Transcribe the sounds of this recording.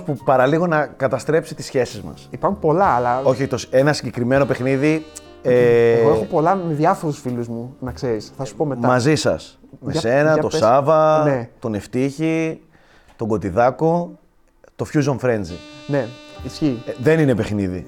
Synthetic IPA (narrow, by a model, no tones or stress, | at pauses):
pupɐɾɐliɣo̞nɐkɐt̪ɐst̪ɾe̞psit̪i̥sçe̞sizmɐ̰sipɐɾxunpolɐːlɐo̞çioçt̪ose̞nɐsiɲɟe̞kɾime̞no̞pe̞xniði | eeɣoexopolɐmeðɐfo̞ɾusfiluzmunɐkseɾisθɐsu̥pomemɐzisɐ̰smese̞nɐt̪o̞sɐvɐnet̪one̞ft̪içi | t̪o̞ŋɡo̞t̪iðɐko | t̪o̞fçuzoɱfɾe̞nzḭneisçiðe̞nine̞pexniðḭ